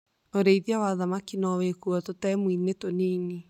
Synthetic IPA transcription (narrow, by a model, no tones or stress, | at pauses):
oɾeiðiawaðamakinɔwekuɔtotɛːmwinetoniːni